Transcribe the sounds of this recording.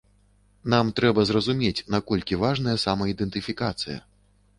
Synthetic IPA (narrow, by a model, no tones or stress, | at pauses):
namt̪ɾɛbɐzrɐzumʲet͡sʲnakɔlʲkʲivaʐnɐjɐsamɐid̪ɛnt̪ɨfʲikat̪sɨjɐ̰